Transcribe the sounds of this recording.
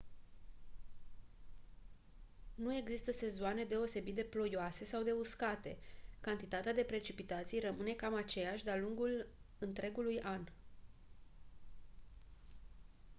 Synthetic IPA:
nue̞ɡzist̪əse̞zoane̞d̪e̞o̞se̞bit̪̚d̪e̞plo̞joase̞sawd̪e̞uskat̪e̞̰kant̪it̪at̪ead̪e̞pɾe̞t͡ʃipit̪at̪sijrəmɨne̞kamat͡ʃe̞jaʃʲd̪ealuŋɡulɨnt̪ɾe̞ɡulujan

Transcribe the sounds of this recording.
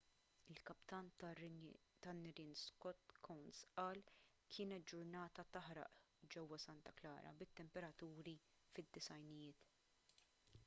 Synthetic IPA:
ɪlkɐpt̪ɐnt̪ | t̪ɐnːɪɾɪnskɔt̪ːkʰɔwnsʔɐːl | kʰɪːnɛt̪̚d͡ʒʊɾnɐːt̪ɐt̪ɐħɾɐ̰ʔ | d͡ʒɛwːɐsɐnt̪ɐklɐ̰ːɾɐ̰bɪt̪ːɛmpɛɾɐt̪uːɾi | fɪd̪ːɪsɐjnɪjɪːt̪

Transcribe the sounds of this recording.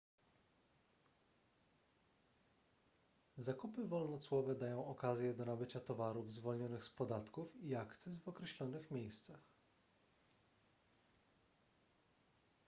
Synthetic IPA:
zakupɘvɔlnɔt̪swɔvɛd̪ajɔ̃w̃ɔkazʲjɛd̪ɔnabɘt͡ɕat̪ɔvaɾuvzvɔlɲɔnɘxspɔd̪at̪kufiakt̪sɛsvɔkɾɛɕlɔnɘxmʲjejst̪sax

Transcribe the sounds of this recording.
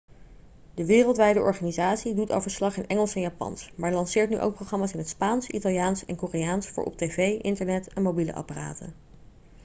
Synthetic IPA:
dəʋɪːrəlˠtʋɛjdəʔɔɹχaːnizaːtsidutɑ̰lˠvəɹslɑχɪnʔɛŋəlˠsɛnjaːpɑ̰nsmaːɹlɑnsɪːɹtny̰ʔo̰wk̚prowχrɑmaːsɪnɦətspaːnsitɑlˠjaːnsɛ̰nkoːrijaːnsfʊ̰ːɹʔɔ̰p̚tejvejʔɪntəɹnɛtɛnmowbilə̰ʔɑ̰para̰ːtə̰n

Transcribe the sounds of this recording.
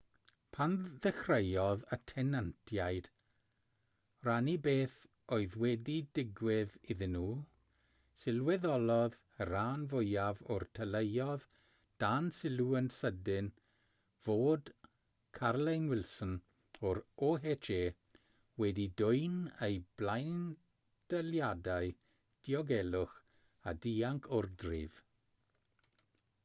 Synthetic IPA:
pʰanðɛxrejɔðətʰɛnantʰjajd̥ | ranibeːθ | oɨðwɛdidɪɡwɪðɪðɪnuː | sɪlˠwɛðɔlˠɔð | əɾaːnvʊjavɔrtʰəlejɔð | d̥ansɪlˠuənsədɪn | v̥oːd̥ | kʰarlejnwɪlˠsən | ɔɾɔɦet͡ʃʰeː | wɛdidʊɨnejb̥lajn | d̥əljadaɨ | d̥iɔɡɛlˠʊχ | adiːaŋkʰʊrdrɪ̰v̥

